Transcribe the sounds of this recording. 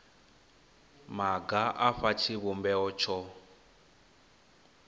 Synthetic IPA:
maɡaʔaɸat͡ʃʰiβumbɛɔt͡ʃʰɔ

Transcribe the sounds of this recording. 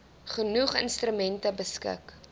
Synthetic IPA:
χənuχə̰nstrymɛntəbəskə̰k

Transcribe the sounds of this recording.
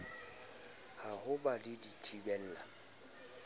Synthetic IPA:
hahʊbalɪditʰibɛl̩ːla

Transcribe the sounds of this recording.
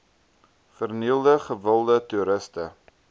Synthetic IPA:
fərniəlˠdəχəvəlˠdətuɾəstə

